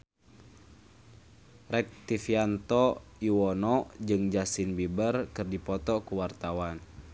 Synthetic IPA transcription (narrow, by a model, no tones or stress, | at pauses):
rɛk̚t̪ifiant̪ɔiwɔnɔʔd͡ʒɨŋd͡ʒasinbibərkɨrdipɔt̪ɔkuwart̪awan